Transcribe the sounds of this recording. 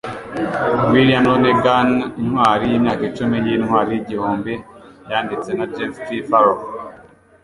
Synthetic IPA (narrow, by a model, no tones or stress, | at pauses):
wilijamɾoneɡaninhwaːɾijiːmɲaːkit͡ʃumijinhwaːɾijiɟihoːmbe | jaːndit͡se̞nad͡ʒeftifaɾo